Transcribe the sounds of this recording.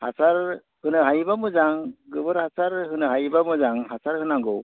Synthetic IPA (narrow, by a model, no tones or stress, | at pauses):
hasaɾ | hɯnɯɦajbamɯzaŋɡɯbɯɾhasaɾhɯnɯhajbamɯzaŋhasaɾhɯnaŋɡɯw